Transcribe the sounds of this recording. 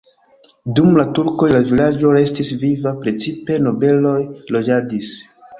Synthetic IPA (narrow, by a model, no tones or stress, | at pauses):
dumlatuɾko̞jlavilad͡ʒo̞ɾe̞stisvivapɾe̞t͡sipe̞no̞be̞lo̞jlo̞d͡ʒadis